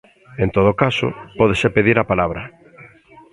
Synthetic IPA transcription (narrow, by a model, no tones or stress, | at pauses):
ent̪oðokaso̰pɔðesepeðiɾapalaβ̞ɾɐ